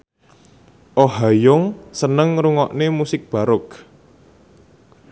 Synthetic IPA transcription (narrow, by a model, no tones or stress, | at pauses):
ʔoɦajʊŋsənəŋɾuŋɔʔnemusɪk̚b̥a̤ɾʊk